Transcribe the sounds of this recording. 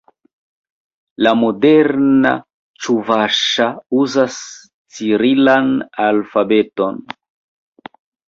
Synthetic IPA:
lamo̞de̞ɾna̰ | t͡ʃuvaʃauzas | t͡siɾilanalfabe̞to̞n

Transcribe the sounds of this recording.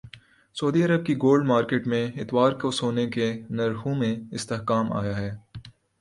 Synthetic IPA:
soːd̪iɐɾəb̚kiɡoːlɖmaːɾkeːʈmẽɪt̪waːɾkosoːnekenɐɾɦõmẽɪst̪eɦkaːma̰ːjaɦɛː

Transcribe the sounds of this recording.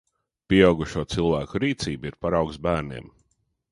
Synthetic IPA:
pʲiɛawɡuʃuɔt̪silˠvæːkuɾiːt̪siːbiɾpaɾawksbæːɾnḭɛm

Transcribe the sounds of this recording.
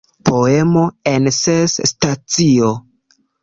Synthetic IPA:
po̞e̞mo̞ensesːtat͡sio̞

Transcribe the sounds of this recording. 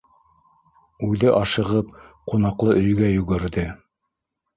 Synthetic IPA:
ʉðɘʔɑʃɤ̆ʁɤp̚qunɑqlˠɤʔɵ̆jɡæjɵ̆ɡɘ̆ɾðɘ

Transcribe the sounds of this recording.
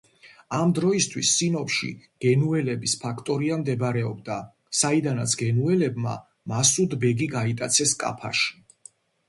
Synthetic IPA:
amd̪ɾɔist̪ʰwḭsːinɔpʃḭɡ̥ɛnuɛlɛbispʰakʰt̪ʼɔɾiamd̪ɛbɾɛɔb̚d̪a | said̪anat̪sʰɡɛnuɛlɛbma̰ | masud̪bɛɡiɡait̪ʼat̪sʰɛskʼa̰pʰa̰ʃi̥

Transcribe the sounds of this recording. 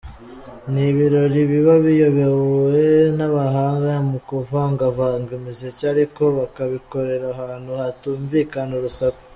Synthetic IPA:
niβiɾo̞ɾiβiβaβijoβewuwenaβaɦaːŋɡajamukuvaŋɡavaːŋɡimizecaɾiko̞βakaβiko̞ɾe̞ɾaɦaːnhuhatuːɱviːkanoɾusako̥

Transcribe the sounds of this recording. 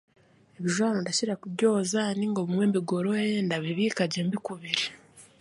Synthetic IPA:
eβiʒwaːnondaciɾakubɟo̞ːzaniŋɡoβumwe̞ːmbiɡo̞ɾojendaβiβiːkaɟembikuβiɾi

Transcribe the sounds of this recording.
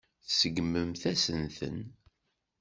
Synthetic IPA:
θsəɡməmθæsənθə̰n

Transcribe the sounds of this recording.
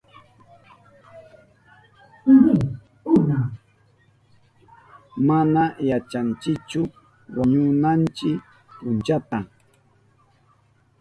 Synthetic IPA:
ʊna | manajat͡ʃant͡ʃɪkt͡ʃʊ | waɲʊnant͡ʃɪk | pʊnt͡ʃat̪a

